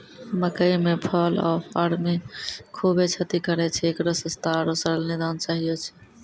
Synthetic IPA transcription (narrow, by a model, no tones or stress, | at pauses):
məkəjmepʰəlɔ̰ːa̰ɾmikʰubet͡ʃʰət̪ikəɾɛt͡ʃʰɛekɾosə̃st̪aɾosəɾəlnid̪ant͡ʃaːɦijot͡ʃʰɛ̥